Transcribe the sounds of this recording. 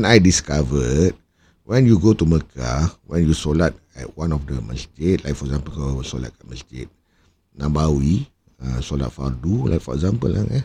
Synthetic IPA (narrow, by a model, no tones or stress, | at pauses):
najdiskavət̚ | wʔɛ̃njuɡotuməkʰa̰wɛ̃njusolat̚ɛ̰t̚wãnɔfdəmə̰̃sket̚lajkfɔɛkzãmpəlkasola̰t̚kaʔ̚məstḛt̚ | nãbawi | ə̃sola̰t̚fardula̰jk̚fɔɛkzãmpə̰la̰ŋa